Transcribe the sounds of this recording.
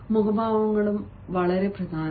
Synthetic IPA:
muɣɐbʱaːʋɐŋːɐɭum | ʋɐɭɐɾe̞prɐd̪ʱaːn

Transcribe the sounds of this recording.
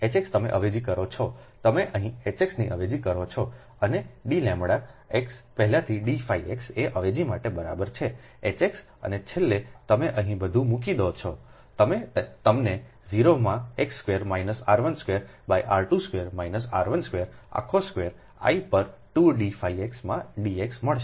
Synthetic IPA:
et͡ʃekst̪əmḛʔəʋed͡ʒikəɾot͡ʃʰɔt̪əmeʔəɦĩet͡ʃeksniʔəʋed͡ʒikəɾot͡ʃʰɔ | əneɖilɛ̃mɽaekspəɦɛlat̪ʰiɖifaiekseʔəʋed͡ʒimaʈebəɾa̰bəɾt͡ʃʰe | et͡ʃeks | ə̰net͡ʃʰelːet̪əmeʔəɦĩbəd̪ʱũmũk̬id̪ot͡ʃʰɔ | t̪əmet̪əmne | ziɾomãekskʋeɾmainəsaɾʋənskʋeɾ | baiʔaɾʈuskʋeɾmainəsa̰ɾʋənskʋeɾa̰kʰoskʋeɾ | a̰ipəɾʈuɖifaieksmãɖieksməɭʃ

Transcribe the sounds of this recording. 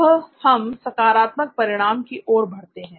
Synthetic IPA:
hɐmsɐkaːɾaːt̪mək̚pɐɾɪɽ̃aːmkiʔɔːɾbʱɐɽ̤t̪eɦɛ̃ː

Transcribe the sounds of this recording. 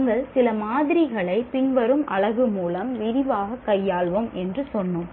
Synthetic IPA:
ŋɡɐɭsɪlɐmaːðɪɾɪɣɐɭɐɪpɪɳʋɐɾɯmʔɐɭɐɣɯmuːlɐmʋɪɾɪʋaːɣɐkːɐjːaːɭʋɐmʔɛndrɯsɔnːɯm

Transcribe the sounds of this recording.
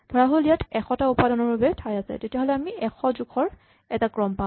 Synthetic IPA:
d̥ʱɔɹaɦolijatɛxɔtaupadɔnɔɹbabɛtʰajasɛ̰tetiaɦolɛamiɛxʰɔzukʰɔɹ | ɛtakɹɔmpa

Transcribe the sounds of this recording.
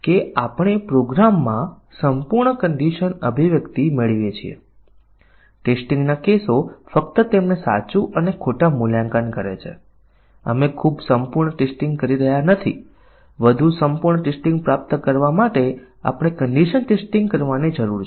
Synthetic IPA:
keapəɽ̃epɾoɡɾamːã | səmpuɾɳəkəɳɖiʃənəbʱiʋjəkt̪imeɭiʋjet͡ʃʰiḛ | ʈesʈiŋɡnakesofək̚t̪ət̪emnesa̰t͡ʃuʔənekʰoʈamuljãŋkankəɾḛt͡ʃʰḛ | ə̰mekʰubsəmpuɾɳəʈesʈĩŋɡ̚kəɾiɾəɦjanət̪ʰḭ | ʋəd̪ʱusəmpuɾɳəʈesʈĩŋɡ̚pɾap̚t̪kəɾʋamaʈe | a̰pɽ̃ekəɳɖiʃənʈesʈĩŋɡ̚kəɾʋanid͡ʒəɾuɾ

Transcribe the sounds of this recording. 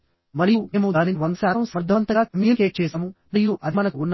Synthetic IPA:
mɐɾijueːmud̪aːniʋɐŋɡsaːɾɐmsɐɾd̪ʱːɐʋɐnt̪ɐɡaːkɐmijɐkeːʈ̚t͡ʃɛːsɐmuniːɾuʔɐd̪ʱimɐːnɐkuunː

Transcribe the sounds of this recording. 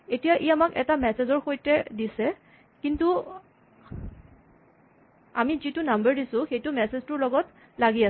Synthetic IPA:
etijaʔiamakɛ̰tamɛsezɔɹxojtɛdisɛ | kintu | a̰mizitʊnambəɹdisʊ̃xejtʊmɛseztʊɹlɔɡɔt | laɡia

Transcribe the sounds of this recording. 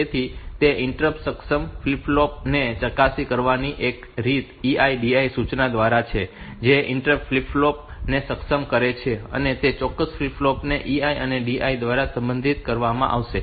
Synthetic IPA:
et̪ʰit̪eʔɪɳʈɾəpsəksəmflipʰlop̚net͡ʃəkasikəɾʋaniʔek | ɾit̪iaiɖiaisut͡ʃnad̪ʋaɾat͡ʃʰe | d͡ʒeʔɪɳʈɾəpflipʰlop̚nesəksəmkəɾet͡ʃʰeə̰net̪et͡ʃɔkːəsflipʰlopneʔiaiəneɖiaid̪ʋaɾasə̃mbənd̪ʱit̪kəɾʋamã̰ʔa̰ʋʃe

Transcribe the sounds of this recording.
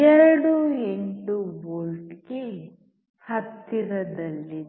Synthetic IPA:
ɛɾɐɽueɳʈuboːlʈɡe | hɐt̪ːiɾɐd̪ɐlːi

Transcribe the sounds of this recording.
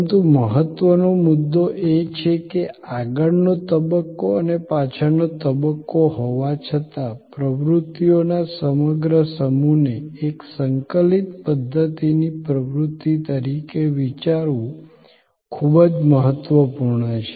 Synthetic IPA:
nt̪uməɦət̪ːʋənomud̪ːoʔet͡ʃʰekeaɡəɭnot̪əbəkːoənepat͡ʃʰənot̪əbəkːoɦoʋat͡ʃʰət̪apɾəʋɾʊut̪ːijonasəməɡɾəsəmuneeksəŋkəlit̪pəd̪ʱːət̪inipɾəʋɾut̪ːit̪əɾikeʋit͡ʃaɾʋũ | kʰubəd͡ʒməɦət̪ʋəpuɾɳət͡ʃʰe̥

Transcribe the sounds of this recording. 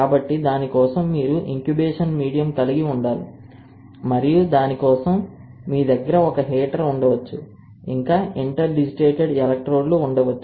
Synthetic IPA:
kaːbɐʈːid̪aːnikɔːsɐmːiːɾuʔiŋkjubɛːʂɐnmiːɽijɐmkɐliɡiuɳɖaːlṵ | mɐɾijud̪aːnikɔːsɐmː | iːd̪ɐɡːɐɾɐɔkɐɦɛːʈɐɾuɳɖɐʋɐt͡ʃːu | iŋkaːʔiɳʈɐɾɖid͡ʒiʈeːʈeɖɛlɐk̚ʈɾoːɖlouɳɖɐʋɐt͡ʃːu

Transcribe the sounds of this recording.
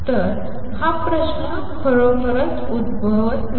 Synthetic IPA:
t̪əɾ | hapɾəɕnə | kʰəɭopəɾənt̪ud̪̚bʱəʋt̪n

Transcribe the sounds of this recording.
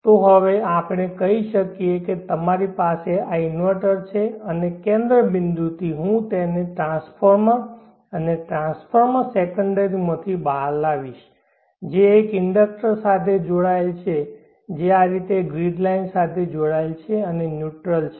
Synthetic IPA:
t̪oɦəʋeapɽ̃ekəɦiʃəkieket̪əmaɾipaseaɪnʋəʈəɾt͡ʃʰeənekẽnd̪ɾəbɪnd̪ut̪ʰiɦũt̪eneʈɾãspʰəɾmã | əneʈɾãnsfʰəɾməsekəɳɖəɾimət̪ʰibaɾlaʋiʃ | d͡ʒeːkɪɳɖək̚ʈəɾsat̪ʰed͡ʒoɽaelt͡ʃʰe | d͡ʒeaɾit̪eɡɾiɖlainsat̪ʰed͡ʒoɽaelt͡ʃʰeənenjuʈɾəlt͡ʃʰe

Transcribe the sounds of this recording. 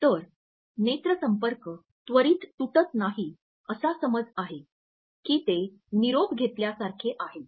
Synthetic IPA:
t̪əɾ | net̪ɾəsəmpəɾkə | t̪ʋəɾiːt̪ːuʈət̪naɦiː | əsasəməd͡zaɦe | kiːt̪e | niɾobɡʱet̪ljasaɾkʰeʔaɦe

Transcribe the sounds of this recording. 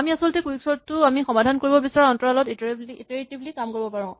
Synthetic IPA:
amiasɔltɛkuiksɔɹtːʊamixɔmadʱankoɹibɔbisaɹɔɔntɔɹalɔtitbliiteɹtiblikamkoɹibɔpaɹɔ̃

